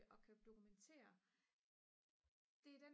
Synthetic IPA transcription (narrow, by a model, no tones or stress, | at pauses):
ʔɒ̽kʰæd̥o̝kʰument͡sʰe̝̰ːɐ | d̥e̝æd̥en